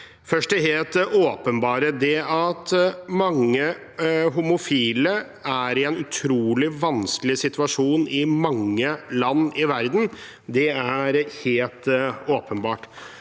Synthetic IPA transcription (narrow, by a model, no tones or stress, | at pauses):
fœʂʈd̪ɛɦeːlt̪oːpənbɑːɾəd̪ɛɑt̪mɑŋːə | ɦʊmʊfiːlə | æɾɪɛnʉt̪ʰɾuːlɪʋɑnskəlɪsɪt̪ʰʉɑʂuːnɪmɑŋːəlɑnːɪʋæɾd̪n̩ | d̪ɛæɾheːlt̪oːpənbɑːʈ